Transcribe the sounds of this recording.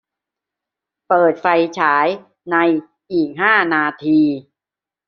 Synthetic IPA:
pɤː˨˩t̪̚fa˧jt͡ɕʰaː˩˦j | na˧j | ʔiː˨˩k̚ɦaː˥˩naː˧t̪ʰiː˧

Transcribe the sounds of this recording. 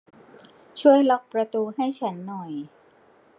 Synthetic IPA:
t͡ɕʰu˥˩əjlɔ˦˥k̚pɾa˧t̪uː˧ɦa˥˩jt͡ɕʰa˦˥nːɔ˨˩j

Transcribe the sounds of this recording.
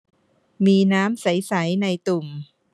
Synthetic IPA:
miː˧naː˦˥msa˩˦jsa˩˦jna˧jt̪u˨˩m

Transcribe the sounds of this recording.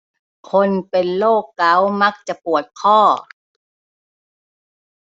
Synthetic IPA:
kʰo˧npe˧nloː˥˩kːa˨˩˦wma˦˥k̚t͡ɕa˨˩ʔpu˨˩ət̪̚kʰɔː˥˩

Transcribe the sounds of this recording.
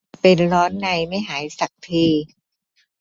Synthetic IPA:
pe˧nɾɔː˦˥nːa˧jma˥˩jɦaː˩˦jsa˨˩k̚t̪ʰiː˧

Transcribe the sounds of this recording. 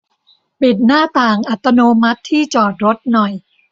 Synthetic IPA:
pi˨˩t̪̚naː˥˩t̪aː˨˩ŋʔa˨˩t̪ːa˧noː˧ma˦˥t̪ʰːiː˥˩t͡ɕɔː˨˩t̪̚ɾo˦˥t̪̚nɔ˨˩j

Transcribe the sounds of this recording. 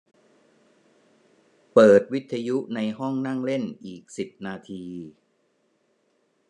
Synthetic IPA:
pɤː˨˩t̪̚wi˦˥t̪ʰːa˧ju˦˥na˧jɦɔ˥˩ŋna˥˩ŋle˥˩nʔiː˨˩k̚si˨˩p̚naː˧t̪ʰiː˧

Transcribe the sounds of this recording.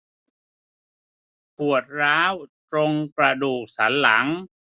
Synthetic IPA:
pʰu˨˩ət̪̚ɾaː˦˥wt̪ɾo˧ŋpɾa˧duː˨˩k̚sa˩˦˥nla˩˦ŋ

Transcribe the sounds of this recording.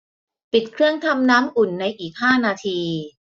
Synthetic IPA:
pi˨˩t̪̚kʰɾɯ˥˩əŋt̪ʰa˧mnaː˦˥mʔu˨˩nːa˧jʔiː˨˩k̚haː˥˩naː˧t̪ʰiː˧

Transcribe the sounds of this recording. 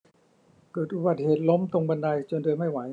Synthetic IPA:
kɤː˨˩t̪ʔu˧baː˨˩t̪̚heː˨˩t̪̚lo˦˥mt̪o˧ŋba˧nda˧jt͡ɕo˧ndɤː˧nma˥˩jwa˩˦

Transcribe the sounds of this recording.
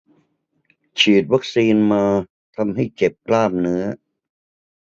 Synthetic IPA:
t͡ɕʰiː˨˩t̪̚wa˦˥k̚siː˧nmaː˧ | t̪ʰa˧mɦa˥˩jt͡ɕe˨˩p̚klaː˥˩m̚nɯ˦˥ɐ

